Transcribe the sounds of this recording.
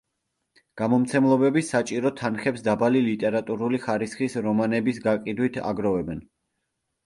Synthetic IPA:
ɡ̥amɔmt̪sʰɛmlˠɔbɛbisːat͡ʃʼiɾɔt̪ʰanχɛpsd̪abalilit̪ʼɛɾat̪ʼuɾuliχaɾisχisɾɔmanɛbisɡaqʼid̪wit̪ʰa̰ɡɾɔvɛbɛn

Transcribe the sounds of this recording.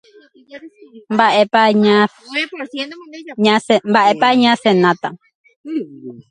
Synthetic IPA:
mbaʔepaɲa | ɲambaʔepaɲãsenãt̪a

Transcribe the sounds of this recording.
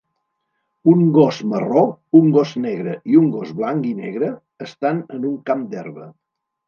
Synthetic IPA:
uŋɡɔzmərouŋɡɔznɛɣɾəiuŋɡɔzβlaŋkinɛ̰ɣɾəː | st̪anənuŋkamd̪ɛ̰rβə

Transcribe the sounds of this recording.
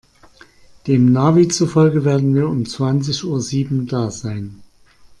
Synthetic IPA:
d̥eːmnaːviːt͡sufɔlɡəveːɐdn̩viːɐʊmt͡sv̥ant͡sɪçʔuːɐziːbm̩daːzaɪn

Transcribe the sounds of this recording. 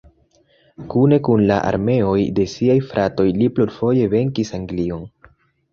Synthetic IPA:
kune̞kunlaʔa̰ɾme̞o̞jde̞siajfɾʔato̞jlipluɾfo̞je̞ve̞ŋkisaŋɡlio̞n

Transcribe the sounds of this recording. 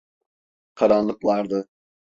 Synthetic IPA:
kʰaɾanlˠɯklˠaɾd̪ɯ

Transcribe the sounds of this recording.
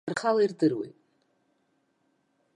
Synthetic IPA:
rχalairdɨrwḛjtʼ

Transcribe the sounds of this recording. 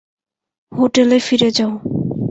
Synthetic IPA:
hoʈelefiɾed͡ʑao

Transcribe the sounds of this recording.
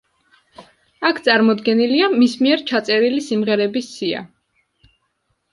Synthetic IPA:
akʰt̪sʼaɾmɔd̪ɡɛniliamismiɛɾt͡ʃʰat̪sʼɛɾilisimʁɛɾɛbisːia̰

